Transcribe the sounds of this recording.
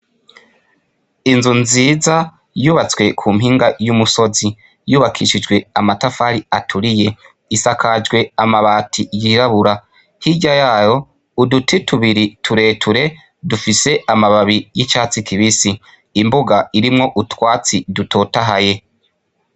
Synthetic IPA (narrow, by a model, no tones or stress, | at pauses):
inzunziːza | juːβat͡swe̞kʰuːmɦiːŋɡajumuso̞zi | juːβakʰiʃid͡ʒɡwe̞amatafaɾiatʰuɾije̞ | isakʰad͡ʒɡwe̞amaβaːtʰijiɾaβuɾa | hiɟajaːjo̞ | udutʰetʰuβiɾitʰuɾe̞tʰuɾe̞ | dufise̞amaβaβijit͡ʃaːt͡sikʰiβisiː | mbuɡaiɾimŋo̞ʔutwaːt͡sidutʰo̞ːtaɦaje̞